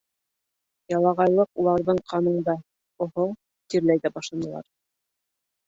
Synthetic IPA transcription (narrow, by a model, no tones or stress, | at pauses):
jɑlˠɑʁɑjlˠɤqulˠɑɾðɤɴqʰɑnɤ̆ɴd̪ɑ | ŏɦo | t̪iɾlæjðæbɑʃlˠɑnɤ̆lˠɑ̰ɾ